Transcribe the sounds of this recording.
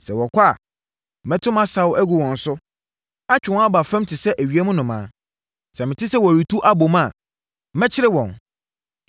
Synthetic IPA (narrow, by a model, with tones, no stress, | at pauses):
sɛ˨wɔ˨kʰʷa̰˦˨ | mɛ̃˦tʰʊ̃˦mã˦sa˨˦wʔæ˦ɡu˨wɔ̃˨n̩˨sʊ˦ | a˦t͡ɕᶣɪ˨wɔ̃˦a˦ba˨fɛ̃˦m˦tʰɪ˨sɛ˦ʔæ˨ɥi˨ɛ˦mʊ̃˦nʊ̃˨mãː˨˦ | sɛ˨mɪ̃˨tʰɪ˦sɛ˦˨wɔ˨æ˨ɾi˨tʰu˦ʔa˦bo˨mã˦˨˦ | mɛ̃˦t͡ɕʰɪ˦ɾɪ˦wɔ̰̃˨n